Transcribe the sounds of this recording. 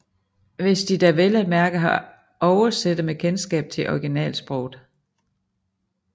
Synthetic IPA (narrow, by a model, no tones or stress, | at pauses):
ʋe̝sd̥id̥æʋelæd̥̚mæɐɡ̥əɦɑ | ʔɒʊɐsed̥əmekʰensɡ̥ɛ̰ːb̥̚t͡sʰe̝ʔɒɡ̥inɛ̰ːlsb̥ʁɔʊd̥ˠ